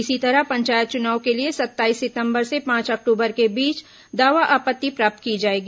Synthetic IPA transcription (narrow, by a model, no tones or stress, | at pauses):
ɪsit̪ɐɾəpɐ̃ɲt͡ʃaːjət̪̚t͡ʃʊnaːwkeliesɐt̪ːaːiːsːɪt̪ə̃mbəɾsepãːt͡ʃɐk̚ʈuːbəɾkebiːt͡ʃ | d̪aːʋaʔaːpət̪ːipɾaːp̚t̪̚kid͡ʒaːeːɡiː